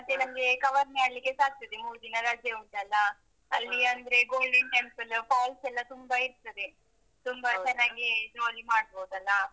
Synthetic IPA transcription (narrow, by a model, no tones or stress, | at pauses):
mɐt̪ːenɐmɐɡekɐʋɐɾmaːɽlikːe̞saːk̚t̪ɐd̪emuːɾd̪inɐɾad͡ʒjɐut̪ɐlːɐ | ɐlːiɐnd̪ɐɾe̞ɡoːlɖiɳʈempɐlpaːlsɛlːɐt̪umbɐiɾt̪ɐd̪e | t̪umbɐt͡ʃɛnːaːɡid͡ʒoːlimaːɽ̚boːd̪ɐlːɐ